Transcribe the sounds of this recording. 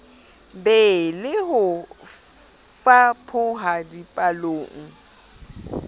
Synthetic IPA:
bɛlɪɦʊ | fapʰʊɦadipʼaloːŋ̩

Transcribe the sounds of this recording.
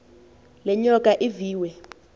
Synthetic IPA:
lɛɲɔkʼaʔiviːwɛ

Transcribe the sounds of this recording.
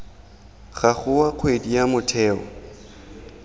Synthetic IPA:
ɣaχʊwaq͡χʰwedijamʊtʰɛːɔ̰

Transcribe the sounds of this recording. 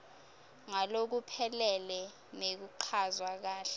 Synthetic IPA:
ŋalok̬upʰɛlɛlɛ | nek̬uǃʰazwak̬aːɬɛ

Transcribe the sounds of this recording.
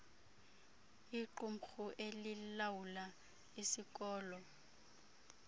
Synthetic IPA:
iǃum̩xuʔelilawula | isikʼɔːlɔ

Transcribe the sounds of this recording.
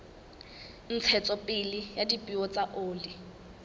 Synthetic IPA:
n̩t͡sʰɛt͡sʼɔpʼɪlijadipʼiɔt͡saʔoːli

